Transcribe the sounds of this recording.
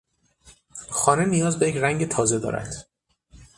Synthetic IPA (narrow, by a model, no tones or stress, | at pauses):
xɒːne̞nijɒːzbejecʰræŋɟe̞t̪ʰɒːze̞d̪ɒ̰ːɾæ̰d̪̥